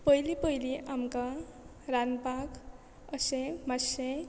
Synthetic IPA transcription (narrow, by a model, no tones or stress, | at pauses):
pʌjlipəjliʔamka | ɾanpak | əsẽmasẽ